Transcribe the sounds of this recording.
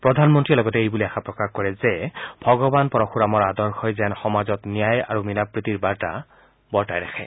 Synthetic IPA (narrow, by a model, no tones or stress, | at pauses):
pɹɔdʱanmɔntɹilɔɡɔtɛejbuliaxapɹɔkaxkɔɹɛzɛbʱɔɡɔbanpɔɹɔxuɹamɔɹadɔɹxɔjzɛnxɔmazɔtnijaja̰ɹumilapɹit̪iɹbaɹta̰ | bɔɹtajɹaxʰɛ̰